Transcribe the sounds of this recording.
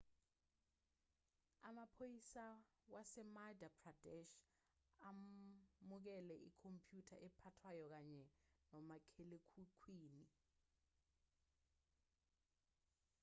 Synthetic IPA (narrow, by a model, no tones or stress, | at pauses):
amapʰojisa | wasɛmadapʰradɛʃ | a | muk̬ɛlɛʔikʰompʰʼjutʰaʔɛpʰatʰwajɔk̬aɲɛnɔmakʰelekʰukʰwiːni